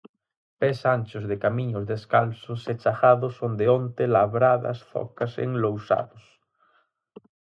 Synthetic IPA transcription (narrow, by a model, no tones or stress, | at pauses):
pesanʲt͡ʃozðekamiɲozðeskalsoset͡ʃaxaðosond̪eont̪elaβɾaða̰sθo̰kasḛŋlowsa̰ðos